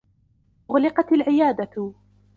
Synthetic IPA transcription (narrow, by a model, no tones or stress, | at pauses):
ʔʊɣlɪqɑt̪alʕɪjaːd̪at